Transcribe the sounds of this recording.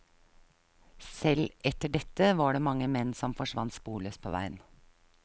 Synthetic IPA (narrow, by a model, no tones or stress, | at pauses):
sɛlʔɛt̪əɖɛt̪əʋɑːɖeːmɑŋəmɛnsɔmfɔʃʋɑ̰nt̪spuːløːspʰo̰ːʋæ̰ɪən